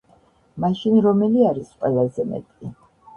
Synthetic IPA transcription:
maʃinɾɔmɛliaɾisqʼwɛlˠazɛmɛ̰t̪ʼi

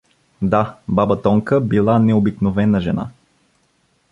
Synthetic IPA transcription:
d̪ababət̪ɔŋkəbilˠanɛobiknovɛnəʒɛ̰na̰

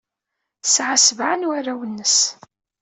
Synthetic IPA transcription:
sʕasəvʕanwaɾæwənːəs

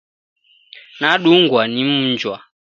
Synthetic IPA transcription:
naɗuŋɡwanim̩ɲd͡ʒwa

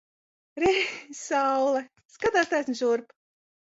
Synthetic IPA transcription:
ɾesawlˠɛ | skad̪aːst̪ajsʲnʲʒuɾp

